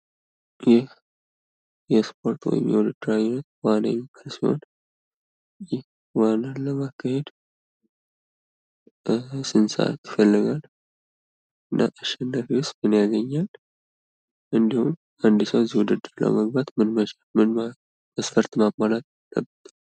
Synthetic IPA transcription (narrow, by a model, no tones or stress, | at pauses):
jɪh | jɛspʰo̞ɾt̪wɔ̰jɪ̰mjɛ̰wd̪ɨd̪ɨɾaunːət̪wanajɛmːikʰəlsiho̞̰n | jɪh | wanaləmakːəhe̞d̪ | sɨnsa̰ʔa̰t̪jɪfəlːɨɡal | ɨnːʔa̰ʔɨʃɛnːəɾiwʊst̪mɨnjaɡəɲːal | ʔɨnd̪ihum | and̪isəwzihwud̪ɨd̪ɨɾlə̰məɡ̚bat̪mɨnm | mɨn | məsfəɾt̪mamːalat̪ | lə̰bːət̪ʰʼ